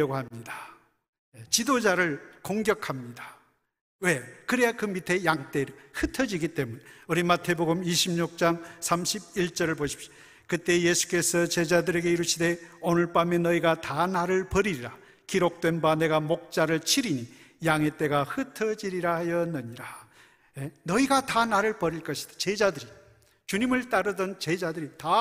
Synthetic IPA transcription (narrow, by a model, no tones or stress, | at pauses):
ʌɡoɦamɲidḁ | jet͡ɕidod͡ʑaɾɯɭkoŋɡjʌkʰamɲidḁ | we̞kɯɾeakɯmitʰe̞jaŋt͈e̞ɾhɯtʰʌd͡ʑiɡit͈e̞muneʌɾimatʰe̞boɡɯmiɕʰimɲuk̚t͡ɕ͈aŋsʰamɕʰib̚iɭt͡ɕ͈ʌɾɯɭboɕʰi̥p̚ɕʌ̥ | kɯt̪͈e̞je̞sʰu̥k͈e̞sʰʌt͡ɕe̞d͡ʑadɯɾe̞ɡe̞iɾuɕʰide̞onɯɭp͈amjenːʌiɡatanaɾɯɭpʌɾiɾiɾa | kiɾok̚t͈we̞nbane̞ɡamok̚t͡ɕ͈aɾɯɭt͡ɕʰiɾiɲijaŋe̞t͈e̞ɡahɯtʰʌd͡ʑiɾiɾaɦjʌnːɯɲiɾa | jenʌiɡatanaɾɯɭpʌɾiɭk͈ʌɕʰi̥d̥ḁt͡ɕe̞d͡ʑadɯɾi | t͡ɕuɲimɯɭt͈aɾɯdʌnt͡ɕe̞d͡ʑadɯɾita